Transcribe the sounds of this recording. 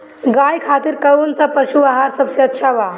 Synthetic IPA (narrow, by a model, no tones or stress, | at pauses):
ɡaːjkʰaːt̪iɾkɐunsapɐʃuaɦaːɾsɐbseɐtːʃʰaʋaː